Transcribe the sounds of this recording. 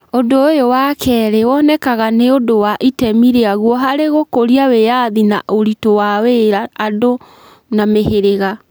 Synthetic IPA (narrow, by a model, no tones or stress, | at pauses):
ondoːjowakʰɛɾewɔnɛkaɣaneodowaʔitɛmiɾeaɣwɔɦaɾeɣokoɾiawejaðinaʔoɾitowaweɾaːdo | nameheɾeɣa